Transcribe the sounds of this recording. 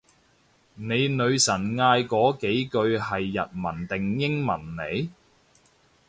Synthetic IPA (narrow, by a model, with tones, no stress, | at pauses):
ne˨˧jnɵ˨˧ɥsɐ˨˩nŋaː˧jkɔː˨˥ke˨˥jkɵ˧ɥhɐ˨jːɐ˨t̚mɐ˨˩nt̪ɪ˨ŋjɪ˥ŋmɐ˨˩nne˨˧j